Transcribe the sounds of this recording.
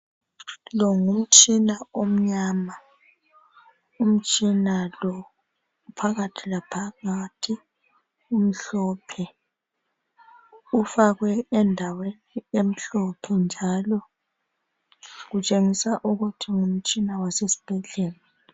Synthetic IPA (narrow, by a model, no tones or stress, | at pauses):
lɔŋum̩t͡ʃʼinaom̩ɲama | um̩t͡ʃʼinalɔ | pʰaɣatʰilapʰaɣatʰi | um̩ɬɔpʰɛ | ufaɣwɛɛndʱaweniem̩ɬɔpʰɛnd͡ʒʱalɔ | ɣut͡ʃʼeŋisaʔuɣutʰiŋum̩t͡ʃʼinawasesi̥b̥ʱɛɮɛːla